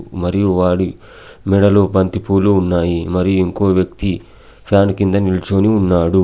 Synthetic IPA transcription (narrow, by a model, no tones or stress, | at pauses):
mɐɾijuʋaːɽi | mɛɽɐloːbɐnt̪ipuːluːnːaːjimɐɾijuiŋko̞ːʋjɐk̚t̪i | pʰjaːnkind̪ɐnilt͡ʃoːniunːaːɽu